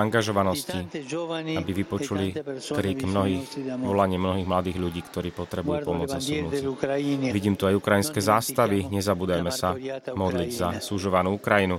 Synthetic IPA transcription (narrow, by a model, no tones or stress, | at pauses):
aŋɡaʒɔʋanɔsci | abiʋipɔt͡ʃulikɾiːɡmnɔɦiːxʋɔlaɲɪɛmnɔɦiːɣmlad̪iːɣʎuɟiːkt̪ɔɾiːpɔt̪ɾɛbujupɔmʊɔd͡zasunuː | ʋiɟiːmt̪uajukɾajinskɛːzaːskt̪aʋiɲɛzabuːd̪ajmɛsamɔd̪liɟzasuʒɔʋanuːukɾajinu